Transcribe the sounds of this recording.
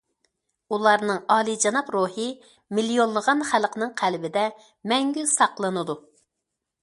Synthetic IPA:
ulˠɑɾnɨŋɑːlˠid͡ʒɑnɑpɾuhɨ | milijonˠlˠəʁɑnχælqʰənɨŋqʰælbɪd̪ɛ | mɛŋɡʲysɑqlˠɨnɨd̪u

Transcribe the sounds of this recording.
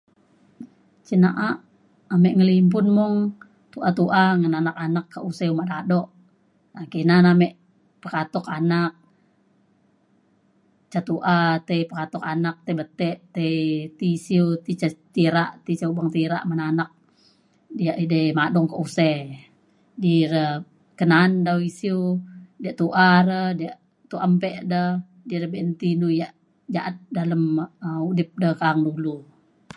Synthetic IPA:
t͡ʃinaʔaʔ | amɛʔŋəlimpʊnmɔŋ | t̪uʔat̪uʔaŋənanakanakːaʔusɛumaʔdadɔʔ | akinanamɛʔ | pəkat̪ɔkanak̚ | t͡ʃat̪uʔat̪eipəkat̪ɔkanak̚t̪ebət̪ɛʔt̪eit̪isiut̪it͡ʃat̪iɾaʔt̪it͡ʃaubaŋt̪iɾa̰ʔmənanak̚ | dijaʔidəjmadɔŋkəʔusɛ | diɾə | kənaːndawisiudiaʔt̪uʔaɾədiaʔ | t̪uʔampɛʔdə | diɾəbɛənt̪inujaʔ | d͡ʒaʔat̪̚daləmudɪp̚dəhkaŋdulu

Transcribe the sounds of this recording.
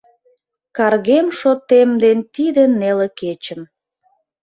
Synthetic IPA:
kɑrɣemʃot̪emd̪ent̪id̪ĕneleket͡ɕəm

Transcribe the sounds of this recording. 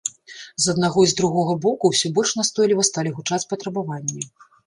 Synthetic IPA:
zɐd̪naɣɔjzd̪ɾuɣɔɣɐbɔkuwsʲɔbɔlʲʂnast̪ɔjlʲivɐst̪alʲiɣut͡ʂat͡sʲpɐt̪ɾɐbavanʲːɛ

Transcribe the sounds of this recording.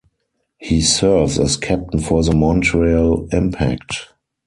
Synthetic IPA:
hiːsɜ˞vzɛ̰skʰæp̚tə̃n̩fɔðəmɔ̃ntɹialɪ̃mpʰæ̰kt

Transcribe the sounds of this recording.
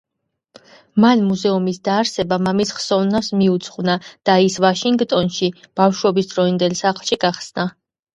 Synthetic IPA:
manmuzɛumisd̪aːɾsɛbamamisχsɔvnasmiut̪sʰχvnad̪̥aisvaʃiŋɡt̪ʼɔnʃib̥afʃwɛbisd̪ɾɔind̪ɛlsaχlˠʃiɡaχsna

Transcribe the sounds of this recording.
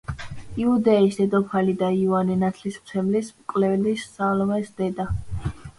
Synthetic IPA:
iud̪ɛisd̪ɛd̪ɔpʰalid̪aiuaninat̪ʰlismt̪sʰɛmlismkʼvlɛvlisːalɔmɛsd̪ɛd̪a

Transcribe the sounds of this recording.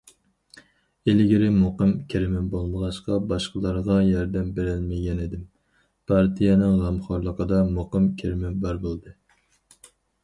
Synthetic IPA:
elɪɡʲɪɾɪmoqɨmkʲʰeɾɪmɪbolˠməʁɑʃqɑbɑʃqəlˠɑɾʁɑjɑɾd̪ɛmbeɾɪlmɪɡʲɛnɪd̪ɪm | pʰɑɾt̪ʰijɛnɪŋʁæmχɑɾlˠəqəd̪ɑmoqəmkʲʰeɾɪmɪbæɾbolˠd̪ɨ

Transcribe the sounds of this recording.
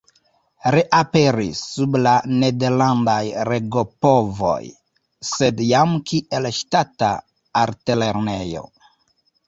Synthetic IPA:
ɾeʔape̞ɾisːublane̞deɾlandajɾeɡo̞povo̞̰j | se̞djamkʰiʔe̞lʃtata̰ː | ɾtele̞ɾne̞jo̞̰

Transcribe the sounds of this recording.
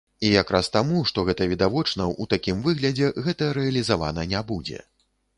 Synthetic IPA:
ijakɾʔast̪amuʂt̪ɔɣɛt̪ɐvʲid̪avɔt͡ʂnɐut̪akʲimvɨɣlʲɐd͡zʲɛɣɛt̪ɐɾɛɐlʲizava̰nɐnʲabud͡zʲɛ̰

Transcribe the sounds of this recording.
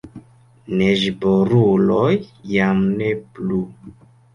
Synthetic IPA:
neʒboɾulojːamneplu

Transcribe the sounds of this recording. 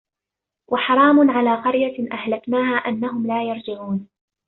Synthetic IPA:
wʔɑħɑɾˤɑːmʊnʕalaːqɑɾjaʔahlaknaːɦaːʔanːaɦʊmlaːjɑɾˤd͡ʒɪʕuːn

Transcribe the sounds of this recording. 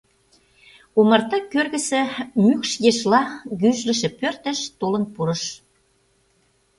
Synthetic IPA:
omɑrt̪ɑkørɣə̆sə̆mykʃjeʃlɑɣyʒlə̆ʃĕpørt̪ə̆ʃt̪olə̆npuɾə̆ʃ

